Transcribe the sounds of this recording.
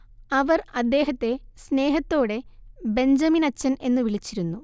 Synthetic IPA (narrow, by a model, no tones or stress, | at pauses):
ɐʋɐrɐd̪ːe̞ːɦɐt̪ːe̞sne̞ːɦɐt̪ːo̞ːɽe̞be̞ɲd͡ʑɐminɐt͡ɕːɐne̞nːɨʋiɭit͡ɕːiɾunːu